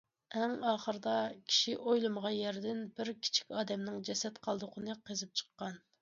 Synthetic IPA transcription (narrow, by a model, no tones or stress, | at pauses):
ɛŋɑːχəɾɨd̪ɑkʲʰi̥ʃiʔojlˠɨməʁɑnjɛɾd̪ɪnbɪɾkʲʰi̥t͡ʃʰi̥kʲɑːd̪ɛmnɪŋd͡ʒɛsɛt̪qʰɑlˠd̪ʊqʰənɨqʰezɪp̚t͡ʃʰə̥qːɑn